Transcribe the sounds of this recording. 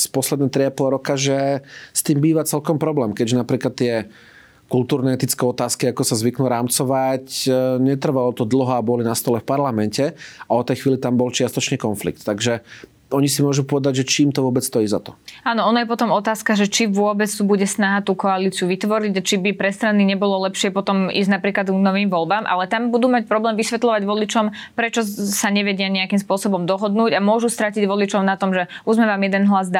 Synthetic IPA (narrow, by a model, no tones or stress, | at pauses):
spɔslɛd̪nɛːt̪ɾiapɔlɾɔkaʒɛst̪iːmbiːʋat͡sɛlkɔmpɾɔblɛːmkɛɟʒɛnapɾiːklat̪ːɪɛ | kulˠt̪uːɾnɛɛt̪it͡skɛɔt̪aːskiakɔsazʋiknuɾaːmt͡sɔʋacɲɛt̪r̩ʋalɔt̪ɔd̪l̩ɦɔabɔlinast̪ɔlɛfpaɾlamɛncɛaɔt̪ɛjxʋiːlit̪ambɔlt͡ʃɪast̪ɔt͡ʃɲɛkɔnflḭkt̪t̪ːaɡʒɛ | ɔɲisimʊɔʒupɔʋɛd̪aɟʒɛt͡ʃiːmt̪ɔʋʊɔbɛt͡sst̪ɔjiːzat̪ɔ̥aːnɔɔnɔjɛpɔt̪ɔmɔt̪aːskaʒɛt͡ʃiʋʊɔbɛt͡st̪ubuɟɛsnaɦat̪uːkɔaliːt͡siuʋit̪ʋɔɾiɟat͡ʃibipɾɛst̪ɾaniɲɛbɔlɔlɛpʃɪɛpɔt̪ɔmḭːzɟnapɾiːklad̪ɡnɔʋiːmʋɔlbaːmʔa̰lɛt̪ambud̪uːmac̚pɾɔblɛːmʋisʋɛt̪lɔʋaɟʋɔlit͡ʃɔmpɾɛt͡ʃɔsaɲɛʋɛɟɪaɲɛakimspʊɔsɔbɔmd̪ɔɦɔd̪nuːɟamʊɔʒust̪ɾaciɟʋɔlit͡ʃɔʊnat̪ɔmʒɛuzmɛʋaːmjɛd̪ɛnɦlazd̪